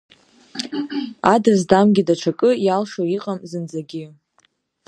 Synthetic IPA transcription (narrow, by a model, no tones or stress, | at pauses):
adazdamɡʲidaʈ͡ʂʷʰakʼɨjalʂoiqʼamzɨnd͡zaɡʲɪ